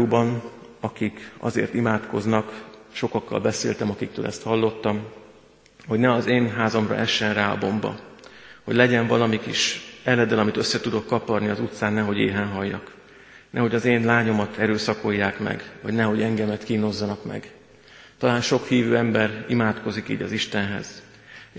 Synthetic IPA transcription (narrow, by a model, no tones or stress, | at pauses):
uːbɒn | ɒkikɒ̰zḛːrt̪imaːt̪ko̞znɒk | ʃo̞kɒkːɒ̰lbɛseːlt̪ɛmɒkik̚t̪ø̰ːlɛ̰st̪hɒlːo̞t̪ːɒm | ho̞ɟnɛɒzeːnɦaːzɒmrɒ̰ʔɛʃːɛnraːɒ̰bo̞mbɒ̰ho̞̰ɟlɛɟɛɱvɒlɒmikiʃɛlɛd̪ɛlɒmit̪øsːɛt̪ud̪o̞kːɒpɒd̪niɒzut̪saːnːɛɦo̞ɟeːɦɛnɦɒjːɒ̰k | nɛɦo̞ɟɒzeːnlaːɲo̞mɒt̪ʰɛɾøːsɒko̞jːaːkmɛ̰ɡvɒ̰ɟnɛɦo̞ɟɛŋɡɛmɛt̪kino̞zːɒnɒkmɛ̰ɡ | t̪ɒlaːnʃo̞khiːvøːɛmbɛɾimaːt̪ko̞zikḭːɟɒziʃt̪ɛnɦɛ̰z̥